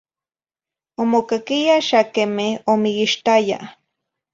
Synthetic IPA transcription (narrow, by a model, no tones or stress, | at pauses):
omokakijaʃakemɪomɪɡɪʃt̪aja̰